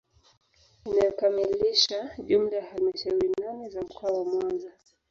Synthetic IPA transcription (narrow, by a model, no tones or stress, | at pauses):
inajɔkamiliʃaʄum̩lajahalimaʃauɾinanɛzam̩kʰɔawamwanza